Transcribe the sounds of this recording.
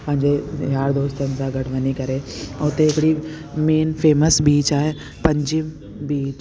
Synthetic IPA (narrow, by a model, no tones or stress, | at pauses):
pɐ̃ɦɪ̃ɲd͡ʒeɦjaːɾd̪oːst̪ənsaɡɐɽʋənikɐɾeʊt̪eɪkɽi | meːnfʰeːməsbiːt͡ʃaːɦe | pɐ̃ɲd͡ʒim | biːt͡ʃ